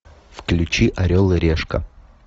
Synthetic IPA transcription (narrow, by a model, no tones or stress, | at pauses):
fklʲʉt͡ɕiʔɐɾʲolˠɨɾʲeʂkə̰